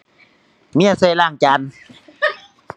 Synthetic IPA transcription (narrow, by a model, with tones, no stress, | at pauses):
mi˦˧˩a˨seː˧˨laː˧˩ŋt͡ɕa˧˥n